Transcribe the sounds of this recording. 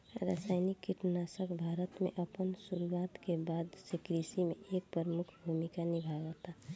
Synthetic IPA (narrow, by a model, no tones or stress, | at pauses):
ɾa̰saɪnikːiʈnasəkbʱaːɾət̪mḛʔəpənsuɾuwat̪kebaːd̪sikɾisimḛʔek̚pɾəɾmʊkʰbʱumikanibʱaɡət̪a